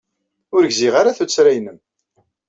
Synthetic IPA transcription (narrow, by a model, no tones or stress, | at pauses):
ʊɾɡziʁaɾaθut͡sːɾæjnəm